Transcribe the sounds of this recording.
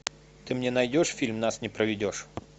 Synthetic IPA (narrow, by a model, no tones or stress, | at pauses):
t̪ɨmnʲɛnɐjdʲɔʂfʲilʲmnasnʲɛpɾɐʋʲɪdʲɔʂ